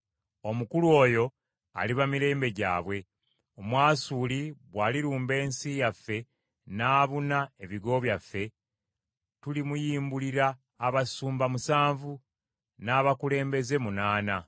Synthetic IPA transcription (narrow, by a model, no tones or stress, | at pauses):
o̞mukulwo̞ːjo̞ | a̰liβamiɾe̞ːmbe̞ɟa̰ːβwe̞ | omwaːsuːliβwaːliɾuːmbe̞ːnsijafːe̞ | naːβunae̞βiɡo̞βjafːe̞ | tulimujiːmbuliɾaː | βasuːmbamusaːɱvu | naːβakule̞ːmbe̞ze̞munaːna